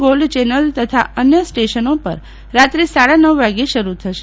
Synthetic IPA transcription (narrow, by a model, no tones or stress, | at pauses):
ɡolt͡ʃɛnəlt̪ət̪ʰa̰ənjəsʈeʃənopəɾ | ɾat̪ɾesaɽanəʋʋaɡeʃəɾut̪ʰəʃe̥